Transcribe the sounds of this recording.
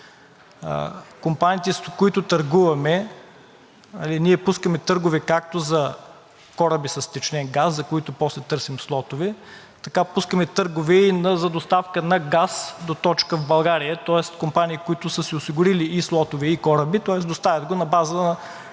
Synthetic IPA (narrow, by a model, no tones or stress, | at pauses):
kompaniːt̪ɛskoit̪ʊt̪ɐɾɡuvɐmɛ | nɐliniɛpuskəmɛt̪ɤɾɡʊvɛkak̚t̪ozɐ | kɔɾəbisɐst̪ɛt͡ʃnɛnɡaszɐkoit̪ʊpɔslɛt̪ɤɾsimslˠɔt̪ʊvɛ | t̪ɐkapuskəmɛt̪ɤɾɡʊvɛinɐzɐd̪ost̪afkənɐɡasd̪ot̪ɔt͡ʃkəvbɐlˠɡaɾijət̪ɔɛst̪kompaniːkoit̪ʊsəsɛʊsiɡʊɾiliːslˠɔt̪ʊvɛikɔɾəbit̪ɔɛsd̪ost̪avʲɐt̪̚ɡonɐbazənɐ